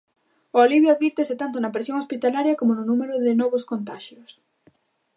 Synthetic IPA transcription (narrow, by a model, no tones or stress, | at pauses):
ooliβjoaðβiɾt̪ɪsɪt̪ant̪̬onɐpɾesjoŋospit̪alaɾjɐkomonʊnumeɾʊðɪnɔβoskont̪aʃjʊs